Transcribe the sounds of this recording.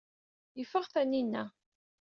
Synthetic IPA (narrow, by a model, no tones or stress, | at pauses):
jəfːəʁθæninːæ